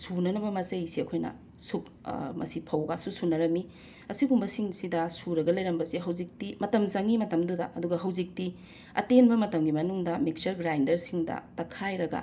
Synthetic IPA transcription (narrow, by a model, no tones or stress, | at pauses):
sunɐnɐbɐmɐsɐjsiɐkʰojnɐ̰ | suk | mʔɐ̰sipʰɐwɡasusunɐɾɐmi | ɐsiɡumbɐsiŋsidɐsuɾɐɡɐlɐjɾɐmbɐsiɦɐwzik̚timɐtɐmzɐŋimɐtɐmdudɐ̰ʔɐduɡɐɦɐwzik̚ti | ɐ̰tenbɐmɐtɐmɡimɐnuŋdɐmik̚t͡ʃɐɾɡɾajndɐɾsiŋdɐ̰tɐkʰajɾɐɡɐ̰